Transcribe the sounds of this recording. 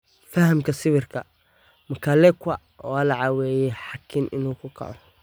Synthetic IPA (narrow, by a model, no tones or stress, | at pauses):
fɐhɐmkʰɐsɪβɪrkʰɐ | mɐkʰɐlɛkwɐ | ɔ̰lɐʕɑwɛːjɛħɑkʰːɪnʔɪ̰nuːkʰʊkʰɐ̰ʕɔ